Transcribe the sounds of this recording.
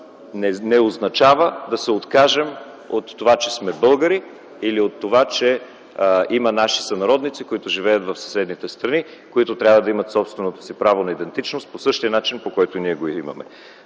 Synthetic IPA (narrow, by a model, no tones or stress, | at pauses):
ɛnɛoznɐt͡ʃavəd̪ɐsɛot̪kaʒɛm | ot̪ːovat͡ʃɛsmɛbɤlˠɡəɾi | iliot̪ːovat͡ʃɛ | imɐnaʃi̥sɐnɐɾɔd̪nit̪sikoit̪ʊʒivɛjət̪vɐfsɐ̥sɛd̪nit̪ɛst̪ɾɐni | koit̪ʊt̪ɾʲabvəd̪ɐimɐt̪sɔpst̪vɛnot̪o̥sipɾavonɐid̪ɛnt̪it͡ʃnost̪̚posɤʃt̪iənat͡ʃinpokɔjt̪oniɛɡoimɐ̰mɛ̰